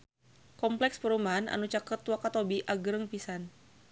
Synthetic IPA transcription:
kɔmplɛkspəɾumana̰nut͡ʃakət̪wakat̪obiʔaɡəɾəŋpisan

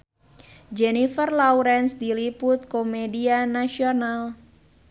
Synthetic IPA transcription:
d͡ʒɛnifərlawɾɛnsd̪ilipʊt̪̚komedianasional

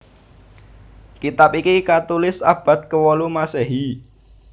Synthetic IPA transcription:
kit̪apikikat̪ulɪsa̰b̥a̤t̪̚kəwɔlumasɛɦi

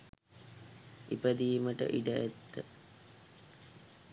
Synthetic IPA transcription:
ipəd̪iːməʈə̰ʔiɖəæt̪ːə

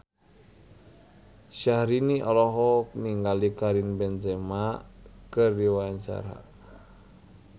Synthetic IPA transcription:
ʃahɾiniʔɔlɔɦɔk̚niŋɡalikaɾinbɛnd͡ʒɛmakɨrdiwaɲt͡ʃa̰ɾa̰

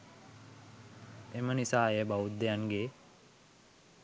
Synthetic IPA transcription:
emənisaːjebaud̪̚d̪ejanɡeː

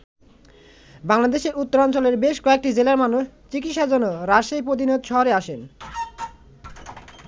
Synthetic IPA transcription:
baŋlad̪eʃeɾut̪ːoɾɔnt͡ɕoleɾbeʃkɔek̚ʈid͡ʑelaɾmanuʃt͡ɕikitʃad͡ʑonːoɾaʃejpɾod̪inod̪ʃɔɦoɾeaʃen

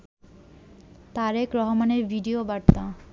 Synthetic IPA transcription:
t̪aɾekɾɔɦomaneɾbʱiɖiobaɾt̪a

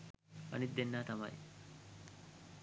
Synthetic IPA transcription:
ʔɐ̰nid̪ːenːaːt̪ɐmɐ̰j

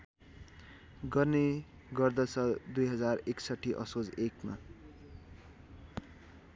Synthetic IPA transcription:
ɡʌrne | ɡʌrd̪ʌt͡sʰʌd̪ujɦʌd͡zareksʌʈʰːiʔʌ̰sod͡zekma̰

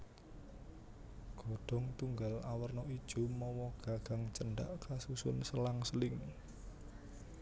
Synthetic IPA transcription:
ɡ̥oɖ̥ɔ̤ŋt̪uŋɡalawərnɔid̥ʒ̥o̤mɔwɔɡ̥a̤ɡ̥a̤ŋt͡ʃəɳɖaʔkasusʊnsəlaŋsəlɪŋ

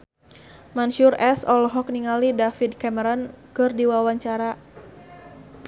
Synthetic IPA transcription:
manʃurʔɛsɔlɦɔk̚niŋalidafidkɛməɾɔnkɨrdiwawaɲt͡ʃaɾa

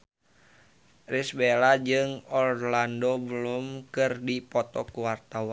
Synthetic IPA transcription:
risbelad͡ʒɨŋɔrlandobəlumkɨrdipɔt̪ɔkuwart̪awa

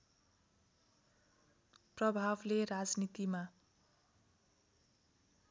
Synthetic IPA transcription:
prʌbʱablerad͡znit̪ima

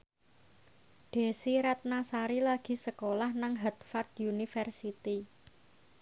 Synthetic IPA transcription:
ɖ̪̥e̤siɾat̪̚nasaɾilaɡ̥i̤səkolahnaŋɦat̪fart̪junifɛrsit̪i

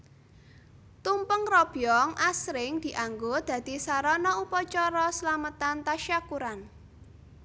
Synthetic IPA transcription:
t̪umpəŋrɔb̥jɔŋʔasɾɪŋd̪̥i̤ʔaŋɡod̪̥ä̤d̪̥i̤saɾɔnɔupɔt͡ʃɔɾɔslamət̪ant̪aʃakuɾan

